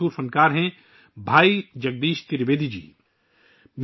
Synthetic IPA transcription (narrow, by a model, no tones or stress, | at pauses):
uːɾpʰɐ̃nkaːɾɦɛ̃ | bʱaːid͡ʒɐɡ̚d̪iːʃt̪ɪɾbeːd̪ʱid͡ʒḭː | m